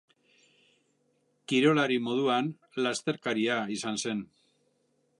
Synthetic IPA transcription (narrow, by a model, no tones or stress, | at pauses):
kiɾo̞laɾimo̞ð̞uan | last̪e̞ɾkaɾiaisanse̞n